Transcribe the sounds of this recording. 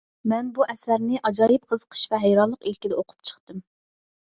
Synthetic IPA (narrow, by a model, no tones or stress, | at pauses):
mɛnbuʔɛsæɾnɪʔɑd͡ʒɑːjɨp̚qʰəzqʰə̥ʃvɛɦɛjɾɑllˠːəqilkʲid̪ɛoqʰʊ̥p̚t͡ʃʰə̥χt̪ɨm